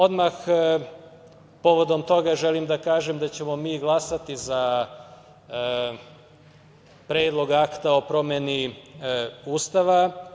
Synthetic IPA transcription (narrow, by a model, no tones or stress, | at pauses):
o̞d̪max | po̞ʋo̞d̪o̞mt̪o̞ɡaʒelimd̪akaːʒemd̪at͡ɕe̞mo̞miːɡlˠasat̪iza | pɾeːd̪lˠo̞ɡakt̪ao̞pɾo̞meni | uːst̪aʋa